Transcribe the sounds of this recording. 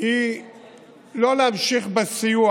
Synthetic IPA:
i | loleamʃiχbesiju

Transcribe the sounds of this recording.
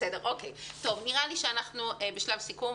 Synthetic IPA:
edeʁʔo̞kejto̞vniʁaliʃeanaχnuebeʃlavsiku

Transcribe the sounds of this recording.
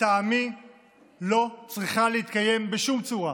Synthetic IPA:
aːmi | lo̞t͡sʁiχaleit̪kaje̞mbeʃumt͡suʁa

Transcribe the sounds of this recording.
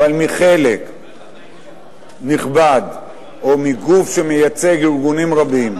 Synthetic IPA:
avalmiχe̞lek | niχbad̪ | o̞miɡufʃe̞mejat͡se̞ɡiʁɡunimʁabim

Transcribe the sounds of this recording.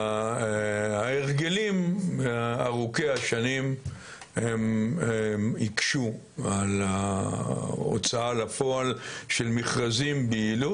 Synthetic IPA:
aeʁɡelimeaaʁukeaʃanim | hem | ikʃu | ala | o̰t͡saalafoalʃelmiχʁazimbiilu

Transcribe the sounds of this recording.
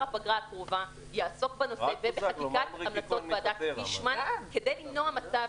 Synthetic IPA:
abaɡʁaakʁova | jaːso̞k̚beno̞sevebeatikat̪amlat͡so̞t̪̚ad̪akbiʃmanke̞dejlimnohamat͡sav

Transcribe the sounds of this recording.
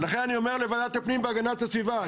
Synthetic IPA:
laχe̞naniome̞ʁlevad̪at̪apnimbeaɡanat̪asviva

